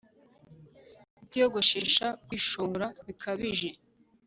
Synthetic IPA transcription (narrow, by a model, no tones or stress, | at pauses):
itjoɡo̞ʃeʃakwiʃoɾaβikʰaβiʒe̞